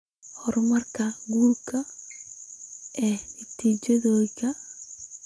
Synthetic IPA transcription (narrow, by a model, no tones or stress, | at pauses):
hɔɾmɐrkɐɡuːrkʰɐ | ɛːnit̪iːd͡ʒɔðoːjkɐ